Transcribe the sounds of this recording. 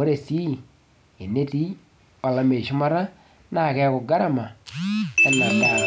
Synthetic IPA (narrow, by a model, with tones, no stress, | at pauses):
o˦ɾe˨si˦˨ | e˨ne˦ti˦ | a˨la˨me˨ʃu˦ma˦ɾa˦ | na˨kɛ˦kʊ˨ɡa˦ɾa˨ma˨ | ɛ˨na˨da˨